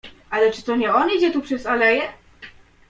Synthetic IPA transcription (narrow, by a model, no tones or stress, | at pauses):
alɛt͡ʂɨ̥t̪ɔɲɛɔnid͡ʑɛt̪upʂɛzalɛjɛ